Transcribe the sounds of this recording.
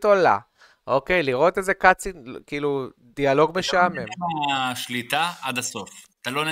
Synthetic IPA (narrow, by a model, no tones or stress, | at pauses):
t̪ola̰ | ʔoke̞jliʁo̞t̪eze̞kat͡sinlkiːlu | d̪ialo̞ɡmeʃamemaʃlit̪aad̪aso̞fat̪alo̞ne